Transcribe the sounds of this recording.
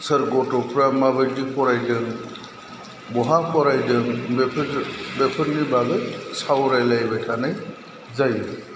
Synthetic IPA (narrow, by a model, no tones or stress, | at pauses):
səɾɡɔtɔpʰɾamabɯɾdipʰɔɾajdɯŋ | bɔɦapʰɔɾajdɯŋbepʰbepʰɯnibaɡɯsawɾajlajbajtʰanaj | zajɯ